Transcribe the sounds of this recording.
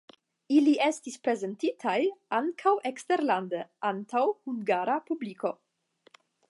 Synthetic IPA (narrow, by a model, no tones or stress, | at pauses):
ilie̞stispɾe̞ze̞ntitʰajaŋkʰawʔekste̞ɾlandeʔantʰawhuŋɡaɾapubliko̞